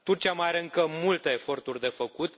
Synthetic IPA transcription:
t̪ut͡ʃʲaməjaɾeɨŋkəmult̪e̞ːfo̞rt̪urʲd̪e̞fəkut̪

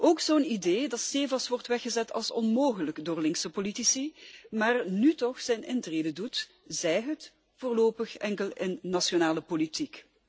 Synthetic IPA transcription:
ʔoːkzoːnideːdɑtseːvɑsʋɔrtʋɛxəzɛtʰɑ̰lˠsɔnmoːɣələkdoːrlɪŋksəpolitisimaːrnytɔxsɛjnʔɪntreːdədut | zɛjɦət | v̥oːrloːpəxɛŋkəlɪnːasjonaːləpolitik

